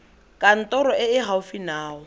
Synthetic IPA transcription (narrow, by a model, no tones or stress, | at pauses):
kʼan̩tʼɔɾɔɪɪɦaʊfinaːɔ